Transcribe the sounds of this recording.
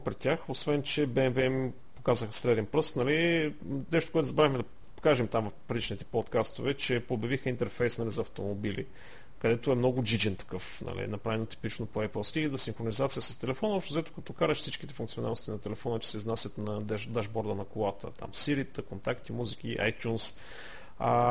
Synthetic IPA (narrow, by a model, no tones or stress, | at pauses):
pɾɛt̪ʲjaxosvɛnt͡ʃɛbɛɛnvɛim | pokazəxsɾɛd̪ɛnpɾɤst̪nɐlinɛʃt̪okoɛt̪ʊzɐbɾavimɛd̪ɐ | kaʒɛmt̪amvɐfpɾid̪it͡ʃnit̪ɛ̥pot̪kast̪ovɛt͡ʃɛpobjəɐvixəint̪ɛɾfɛjsnɐlizɐːft̪omobilḭ | kɐd̪ɛt̪oɛmnɔɡʊd͡ʒid͡ʒɛnt̪ɐ̥kɤfnɐ̰lḭnɐpɾavɛnot̪i̥pit͡ʃnopoɛpɛlˠskʲid̪ɐsiŋxɾonizat̪sijəsɐst̪ɛlɛfɔnəɔpʃt̪ozɐɛt̪o̥kɐt̪ɔkaɾəʃfsit͡ʃkit̪ɛfuŋk̪siona̰lˠnost̪inɐt̪ɛlɛfɔnət͡ʃɛ̥sɛiznasʲjət̪nɐd̪ɛd̪aʒbɔɾd̪ənɐkolˠat̪ə̰t̪a̰msiɾit̪əkont̪akt̪imuzik̟ʲḭʔa̰jt̪ʲjuns